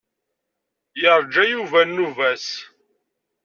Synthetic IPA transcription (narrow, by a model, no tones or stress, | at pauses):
jəɾˤd͡ʒæjuvænːuvæs